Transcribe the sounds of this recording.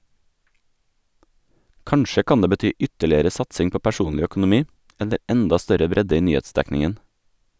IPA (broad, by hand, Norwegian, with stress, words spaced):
ˈkɑɳʃə ˈkɑn ˈdeː bəˈtyː ˈʔʏtəɭɪəɾə ˈsɑtsɪŋ ˈpoː pæˈʃuːnlɪ œkʊnʊˈmiː ˈɛlə ˈʔɛndɑ ˈstœɾə ˈbɾɛdə ˈiː ˈnyːˌeːtˌsdæknɪən